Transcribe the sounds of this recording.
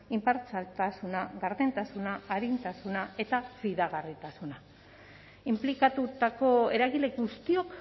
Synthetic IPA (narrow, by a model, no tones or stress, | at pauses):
impaɾt͡salt̪asunaɣaɾðent̪asunaːɾint̪asunae̞t̪aβiðaɣarit̪asuna | implikat̪ut̪ako̞e̞ɾaɣile̞ɡust̪io̞k